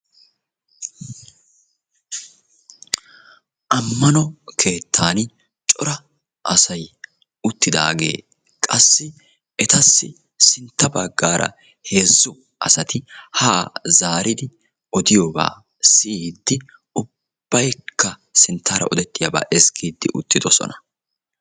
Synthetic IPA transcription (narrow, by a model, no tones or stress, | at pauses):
ʔɐmːɐnɔkʰe̞ːt̪ʰːaːn | t͡ʃʼɔɾɐ | ʔɐsɐj | ʊt̪ːɪd̪a̰ːɡe̞̰ː | kʼɐsːɪ | ɛt̪ɐsːɪ | sɪnt̪ːɐbɐɡːaːɾɐ̰ | he̞ːzːʊ | ʔɐsɐt̪ɪhaːzaːɾɪd̪ɪ | ʔɔd̪ɪjoːba̰ː | sɪiːd̪ːɪ | ʊ | b̥ːɐjkʰːɐsɪnt̪ʰːaːɾɐ̰ʔɔd̪ɛt̪ːɪjaba̰ːʔɛskʰiːd̪ːɪʔʊt̪ːɪd̪ɔsɔ̰nɐ̥